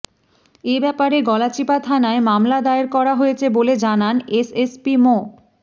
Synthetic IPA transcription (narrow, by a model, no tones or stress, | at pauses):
ebɛpaɾeɡɔlat͡ɕipat̪ʰanaemamlad̪aeɾkɔɾaɦojet͡ɕʰeboled͡ʑananesespimo